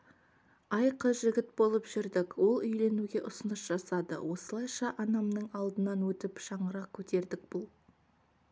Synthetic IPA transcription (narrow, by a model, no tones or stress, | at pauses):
ɑjqəʒɪɡʲɪt̪̚bo̞lˠəpʒ̥ɪɾd̪ɪkwo̞lˠʏjle̞nuɡʲe̞ʔʊsənəʃʒ̥ɑsɑd̪ə̰wo̞səlˠɑjʃɑʔɑnɑmnəɴɑlˠd̪ənɑnwɵt̪ɪpʃɑɴəɾɑq̚kʲʰɵt̪e̞ɾd̪ɪk̚b̥ʊlˠ